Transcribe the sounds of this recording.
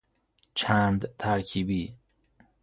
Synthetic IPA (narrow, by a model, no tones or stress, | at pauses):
t͡ʃʰãnd̪t̪ʰaːɾkʰibi